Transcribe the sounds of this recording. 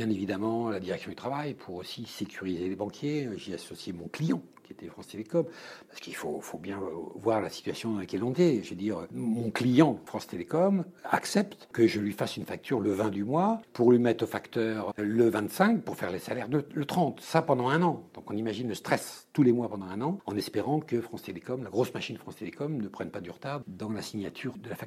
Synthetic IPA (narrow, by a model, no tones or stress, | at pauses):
bjɛ̃nevid̪amɑ̃lad̪iʁɛksjɔ̃d̪yt̪χavajpʰuʁosisekʲʰyʁizelebɑ̃kʰʲjeʒeasɔsjemɔ̃klijɑ̃ | kʲiet̪ɛfχɑ̃st̪elekɔmpḁʁsə̥kilfo̰fobjɛ̃vwaʁlasi̥t̪ɥasjɔ̃d̪ɑ̃ləkɛlɔ̃d̪eʒved̪iʁmɔ̃klijɑ̃fχɑ̃st̪elekɔma̰ksɛpt̪kəʒəlɥifasynfak̚t̪ʰyʁləvɛ̃d̪ymwapuʁlɥimɛt̪χofakt̪œːʁləvɛ̃t̪sɛ̃k̚puʁfɛʁlesalɛʁd̪ələt̪χɑ̃t̪sapɑ̃d̪ɑ̃ɛ̃nɑ̃d̪̥ɔ̃kɔ̃nimaʒinləst̪χɛst̪ulemwapɑ̃d̪ɑ̃ɛ̃nɑ̃ɑ̃nɛspeʁɑ̃kəfχɑ̃st̪elekɔmlaɡʁosmaʃinəfχɑ̃st̪elekɔmnəpχɛnpad̪yʁət̪aʁd̪ɑ̃lasiɲjat̪ʰyːʁd̪əlafak̚